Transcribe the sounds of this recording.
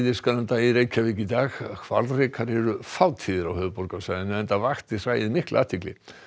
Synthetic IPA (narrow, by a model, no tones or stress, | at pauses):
ðɪskanant̪aiɾeːjcʰavɪːcɪt̪aːxkʰva̰ɾlrɪkʰaɾɛɾʏfaːwt̪ʰiːðɪɾawhœːðpɔɾkawsaɣðɪnɛnt̪avaxt̪ɪr̥aːjɪðmɪhklʔa̰ːt̪ʰɪklɪ̰